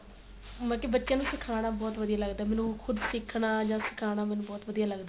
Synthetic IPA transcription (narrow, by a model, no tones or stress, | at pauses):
mɛ̃ːkebətːʃjãːnũːsɪkʰaːɽ̃aːbɔːt̪ʋəd̪ijaːləɡd̪aːɛːmɛːnũːkʰʊd̪sɪkʰɽaːd͡ʒãːsɪ̥kʰaːɽ̃aːmɛːnũːbɔːt̪ʋəd̪ijaːləɡd̪aː